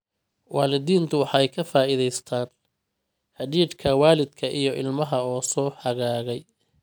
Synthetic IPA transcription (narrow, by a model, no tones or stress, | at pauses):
waːlɪðiːnt̪ʰʊwɑħɛjkʰɐfaːɪðɛjst̪ʰaːn | ħɑdiːd̪kʰɐwaːlɪd̪kʰɐʔijɞʔɪlmɐɦɐɔːsɔːħɐɣaːɣɛj